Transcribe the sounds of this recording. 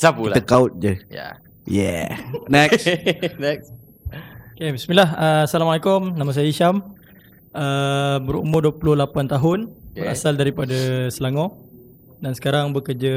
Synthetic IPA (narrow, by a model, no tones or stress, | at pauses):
sapult̪əkaʊt̪̚d͡ʒəja̰ | jɛ̰nɛksnɛks | okebismilahəsalamalekʊmnãmas̬ajiʃam | ʔəbəɾṵmʊrduəpulʊhlapant̪aɦʊnbəɾa̰saldaɾipadasəlaŋɔ̃ | dansə̥kaɾaŋbəkərd͡ʒə